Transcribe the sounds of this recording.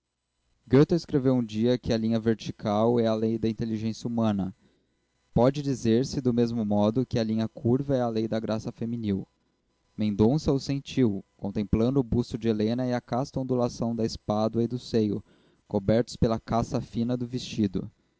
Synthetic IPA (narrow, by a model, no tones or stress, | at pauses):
ɡet̪ɐɪskɾevewũd͡ʒiɐkɪɐlĩɲɐveɾt͡ʃikʰawɛɐlejd̪ɐĩnt̪eliʒẽsjɐumɐ̃nɐ | pɔd͡ʒɪd͡ʒizeɾsɪd̪ʊmezmʊmɔd̪ʊkɪɐlĩɲɐkʰuɾvɐɛɐlejd̪ɐɡɾʔasɐfeminiw | mẽd̪õsɐʊsẽt͡ʃiwkõnt̪ẽmplɐ̃nd̪ʊːbust̪ʊd͡ʒɪelẽnɐɪɐkast̪õnd̪ulasɐ̃w̃d̪ɐɪspad̪ɐɪd̪ʊsejʊ̰ | kobɛɾt̪ʊ̥spelɐkasɐfĩnɐd̪ʊvest͡ʃid̪ʊ̰